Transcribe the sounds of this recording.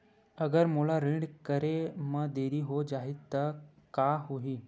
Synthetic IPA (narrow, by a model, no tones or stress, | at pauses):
əɡəɾmolaɾiɖkəɾeməd̪eɾiːɦod͡ʒaɦit̪ːəɾ | kaɦoɦiː